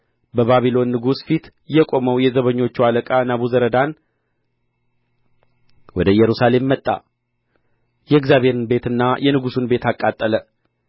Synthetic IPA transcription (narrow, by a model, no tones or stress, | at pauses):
bəβaβilo̞nːɨɡusfit̪ | jɛkʼo̞məwjɛzəβəɲːo̞t͡ʃːualəkʼanaβuzəɾəd̪an | wɔd̪əjɛɾusale̞mːət̪ʼːa̰ | jɛɪɡzjaβhe̞ɾɨnbe̞t̪ɨnːajʔɛnɨɡusunbe̞t̪akʼːat̪ʼːələ